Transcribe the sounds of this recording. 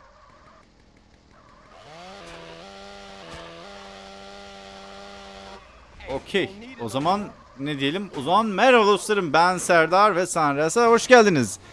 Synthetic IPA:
ocʰejo̞zamanː | ed̪ijelʲimuzamanmæɾalˠoslˠaɾɯmbænsæɾd̪aːɾvɛsanɾasahoʃɟælʲd̪iniz̥

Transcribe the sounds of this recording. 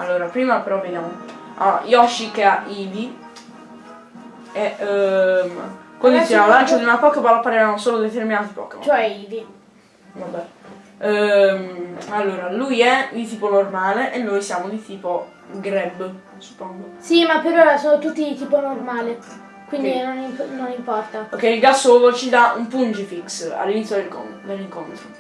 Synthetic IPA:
a̰lːoːɾapɾiːmapeɾɔvenjamoa̰jɔʃːikeaʔiːvi | e | mkwand̪osiamolant͡ʃod̪iunapɔkːepaɾɔpːaɾevanosoːlod̪et̪erminaːt̪ipɔ̰kːḛat͡ʃoɛivi | vabɛ | malːoːɾalujɛilt̪iːponormaːleʔenːojsjaːmod̪it̪iːpo | ɡɾɛb | su̥pːɔŋɡosimapːeɾɔasoːnot̪ut̪ːit̪iːponormaːle | kwind̪inonimpnonimpɔrt̪aokːɛjilɡasːoːvot͡ʃid̪aumpund͡ʒifiksa̰lːinit̪sjod̪elko̰d̪elːiŋkont̪ɾo

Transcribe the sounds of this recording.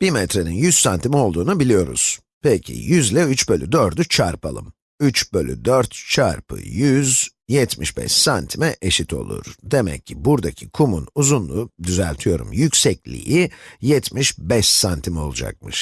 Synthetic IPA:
b̥imɛt̪ɾe̞ninjyz̥sant̪ʰimɛo̞lˠd̪uːnubilʲijo̞ɾṵz̥ | pʰecʰḭjyzlʲɛyt͡ʃbølʲyd̪øɾd̪yt͡ʃʰaɾpʰalˠɯ̰m | yt͡ʃbølʲy̰d̪øɾt̪t͡ʃʰaɾpʰɯ̰jyzjɛt̪ʰmiʃbɛ̰ʃsant̪ʰimɛʔeʃit̪ʰo̞̰lˠṵɾd̪e̞mɛ̰cʰːibuɾd̪acʰikʰumunuzunlˠud̪yzælʲt̪ʰijo̞ɾṵmjycsɛclʲḭjijɛt̪ʰmiʃbɛʃsant̪ʰimɛo̞̰lˠud͡ʒa̰k̚mɯʃ

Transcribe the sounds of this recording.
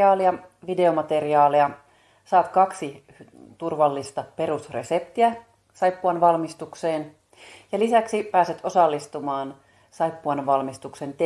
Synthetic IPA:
ɑːliɑʋide̞o̞mɑt̪e̞riɑːlejɑ | sɑːt̪kɑksi | t̪urʋɑlːist̪ɑpe̞ɾusre̞̰se̞p̚t̪iæ | sɑjpːuɑnʋɑlmist̪ukse̞ːn | jɑlisæksipæːset̪o̞sɑlːist̪umɑːn | sɑjpːuɑnʋɑlmist̪ukse̞nt̪e

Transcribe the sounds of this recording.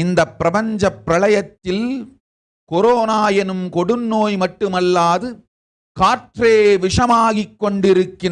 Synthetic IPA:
ɪnd̪ɐpːɪɾɐpɐɲd͡ʒɐpːɾɐɭɐjɐt̪ːɪl | kɔɾoːnaːjɐnɯmkɔɽɯnːoːjmɐʈːɯmɐlːaːðɯ | kaːʈreːʋɪʂɐmaːɣikːɔɳɖɪɾɯkːɪn

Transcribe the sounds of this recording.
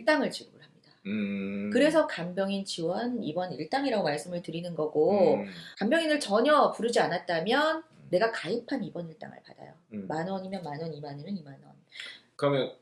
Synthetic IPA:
iɭt͈aŋɯɭt͡ɕiɡɯɯɭɦhamɲid̥a | kɯɾe̞sʰʌkambjʌŋint͡ɕiwʌnḭbʌniɭt͈aŋiɾaɡomaɭs͈ɯmɯɭtɯɾinɯnɡʌɡokambjʌŋinɯɭt͡ɕʌɲʌpuɾɯd͡ʑianat̚t͈amjʌnːe̞ɡakaipʰanibʌniɭt͈a̰ŋɯ̰ɭpa̰d̥a̰jo̰manwʌɲimjʌnmanwʌnimanɯnɯnimanʌ̰nkɯɾʌmjʌn

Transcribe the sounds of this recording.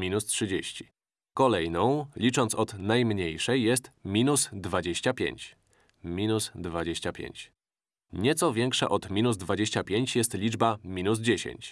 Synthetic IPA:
mʲinustʂɘd͡ʑeɕt͡ɕi̥ | kɔlɛjnɔ̃w̃lʲit͡ʂɔnt̪sɔd̪najmɲejʂɛjːɛst̪mʲinusd̪vad͡ʑeɕt͡ɕapʲjḛɲt͡ɕ | mʲinusd̪vad͡ʑeɕt͡ɕapʲjḛɲt͡ɕ | ɲɛt̪sɔvʲjɛŋkʂa̰ʔɔd̪mʲinuzd̪vad͡ʑeɕt͡ɕapʲjeɲt͡ɕjɛst̪lʲid͡ʐbamʲinuzd͡ʑeɕḛɲt͡ɕ

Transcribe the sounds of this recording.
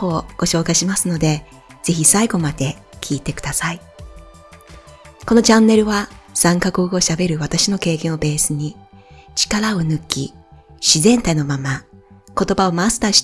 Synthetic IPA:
o̞ːɡ̥o̞ɕo̞ːkaiɕimasɨno̞d̪e̞ | z̥e̞çisaiɡo̞mad̪e̞kʲʰiːt̪e̞kɯ̟̥d̪asai | ko̞no̞d͡ʑãnːe̞ɾɯ̟βasãŋkakɯːkɯo̞ɕabe̞ɾɯ̟βat̪aɕino̞ke̞ːkẽɰ̃o̞be̞ːsɨɲ̟i | t͡ɕi̥kaɾao̞nɯ̟kʲːḭ | ɕizẽ̞nt̪aino̞mamako̞t̪o̞bao̞mast̪aːɕi̥

